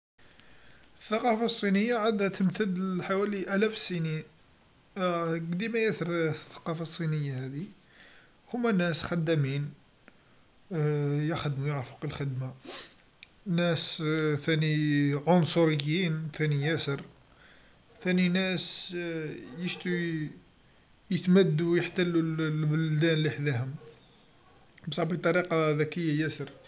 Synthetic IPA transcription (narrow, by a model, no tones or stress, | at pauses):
əθːɑqɑfasˤːinəjːaʕad̪hæt̪əmt̪əd̪ħawæliʔælæfsənin | ɡd̪imæjæθɾˤθːɑ̥qɑfɑsˤːinəjːahæd̪i | hʊmːænæsxæd̪ːæmin | jəxəd̪mujəʕɾfo̥qəlxəd̪ma | næst̪æniʕʊnsʊɾəjːint̪ænijæsəɾ | t̪æninæs | jəʃt̪u | jət̪mæd̪ːujəħt̪əlːulbʊld̪ænliħd̪æɦʊm | bsˤɑʕbit̪ˤɑɾiqɑðækəjːajæsəɾ